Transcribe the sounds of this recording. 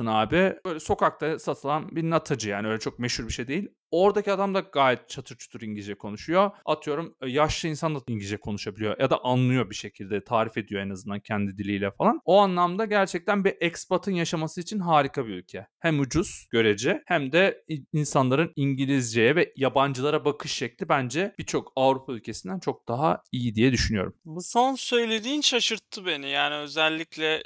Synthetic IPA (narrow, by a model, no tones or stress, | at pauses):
unaːbɪbøjlʲɛso̞kʰak̚t̪ʰasat̪ʰɯlˠanbiɾnat̪ʰad͡ʒɯjaːnɪø̞jlʲɛt͡ʃʰo̞k̚meʃuɾbiʃe̞jd̪e̞jilʲ | o̞ɾd̪aciad̪amd̪aɡaːjɛt̪̚t͡ʃʰat̪ʰɯɾt͡ʃʰu̥d̪̥ɯɾiɲɟid͡ʒɛkʰo̞nuʃujo̞at̪ʰɯjo̞ɾumjaʃlˠɯinsand̪aiɲɟid͡ʒɛkʰo̞nuʃabilʲijo̰jad̪aʔanlˠɯjo̞biʃe̞cʰilʲd̪ɛt̪ʰaːɾife̞d̪ijo̞ɛnazɯnd̪ancʰɛnd̪id̪ilʲijlʲɛfalˠanoanlˠamd̪aɟæɾt͡ʃʰɛc̚t̪ʰænbiʔɛcsbat̪ʰɯnjaʃamasɯit͡ʃʰinɦaːɾikʰabiylʲcʰɛhæmud͡ʒuz̥ɟ̥ø̞ɾe̞d͡ʒɛhæmd̪ɛinsanlˠaɾɯniɲɟilʲizd͡ʒejɛvɛjaband͡ʒɯlˠaɾabakʰɯʃːɛclʲibænd͡ʒɛbiɾt͡ʃʰo̞kavɾupʰaylʲcʰe̞sind̪ænt͡ʃʰo̞k̚d̪̥aɦaijid̪ijɛd̪yʃynyjo̞̰ɾumbuso̞nsø̞jlʲe̞d̪iːnʃaʃɯɾt̪ʰːɯbe̞nijaːniø̞zɛlʲːiclʲɛ